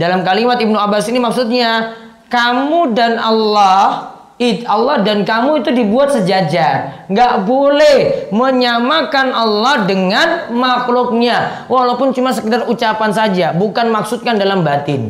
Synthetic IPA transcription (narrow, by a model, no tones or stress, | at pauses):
dalamkalimat̪ib̚nuabasinimaksut̪̚ɲa | kamudanalːɔh | it̪alːɔhdankamuit̪udibuat̪̚səd͡ʒad͡ʒaŋɡaʔbolɛhməɲamakanɑlːɔhdəŋanmaklʊk̚ɲa | walawpʊnt͡ʃumas̬əkətarut͡ʃapansad͡ʒabukanmaksut̪̚kandalambat̪ɪn